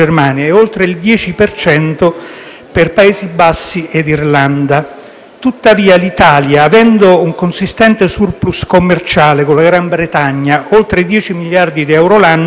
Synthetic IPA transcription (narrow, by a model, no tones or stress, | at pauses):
ermaːnjaeolt̪ɾeild̪jɛːt͡ʃipert͡ʃɛnt̪o | perpaeːzibasːied̪irland̪a | t̪ut̪ːaviːalit̪aːljaːvɛnd̪ouŋkonsist̪ɛnt̪esurpluskomːert͡ʃaːlekolaɡɾambɾet̪aɲːaolt̪ɾed̪jɛːt͡ʃimiljard̪id̪iɛwɾolanː